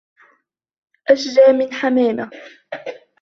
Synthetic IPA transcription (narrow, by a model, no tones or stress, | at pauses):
ʔaʃzaːmɪnħamaːma